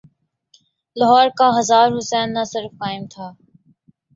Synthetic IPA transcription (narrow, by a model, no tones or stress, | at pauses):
lɐɦɔːɾkaɦɐzaːɾɦʊsɛːnːasɪɾfkaːɪmt̪ʰaː